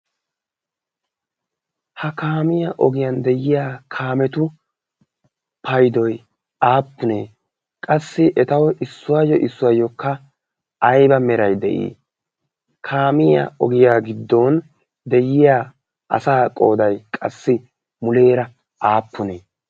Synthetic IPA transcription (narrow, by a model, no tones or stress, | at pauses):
hɐkaːmɪjaʔɔɡɪjɐnd̪ɛjɪjaːkʰaːmɛt̪ʊ | pʰɐjd̪ɔj | aːpːʊneː | kʼɐsːɪʔɛt̪ɐwɔʔɪsːʊwaːjɔʔɪsːʊwaːjɔkːɐː | jbɐmɛɾɐjd̪ɛ̰ʔḭː | kʰaːmɪja̰ɔɡɪjaːɡɪd̪ːɔːn | d̪ɛjɪjaː | ʔɐ̰saːkʼo̞̰ːd̪ɐjkʼɐ̰sːɪ | mʊle̞ːɾɐ | aːpːʊneː